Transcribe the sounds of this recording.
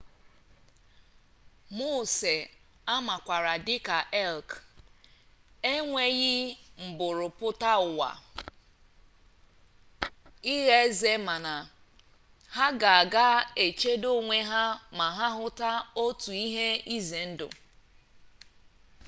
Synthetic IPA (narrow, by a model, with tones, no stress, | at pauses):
mo˦˨se˨ | a˦ma˨kʷa˨ɾa˨dɪ˦ka˨ʔɛ˦lk | e˦ŋʷe˦ɣɪ˦m̩˨bʊ˨ɾʊ˨pʊ˦ta˦ʊ˨wa̰˨ | i˦ɣe˦ze˦ma˨na˨ | ha˦ɡa˨a˨ɡa˦e˨t͡ʃe˦do˦ŋʷe˦ɦa˦ma˨ɦa˦ɦʊ˦ta˦o˦tu˨i˦ɦe˦i˦ze˨n̩˦dʊ̰˨